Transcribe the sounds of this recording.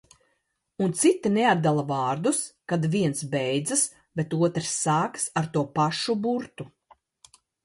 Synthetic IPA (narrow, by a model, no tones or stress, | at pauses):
unt̪sit̪ːinead̪ːalˠavaːɾd̪uskad̪viɛnsbɛjd̪zɨs | bet̪uɔt̪ɾsːaːksaɾt̪uɔpaʃubuɾt̪u